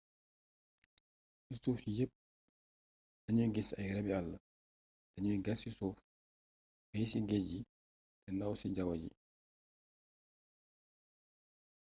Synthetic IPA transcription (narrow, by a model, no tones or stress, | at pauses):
isuːfjəp̚ | dɐɲujɡisɐ̰jɾɛbialːɐ | dɐɲujɡɐsisuːf | bɛjsiɡeɟi | tɛnɐwsiɟɐwɐɟḭ